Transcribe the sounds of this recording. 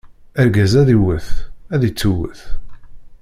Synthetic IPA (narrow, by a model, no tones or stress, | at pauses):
æɾɡæzæðiwəθæðit͡sːuwə̰θ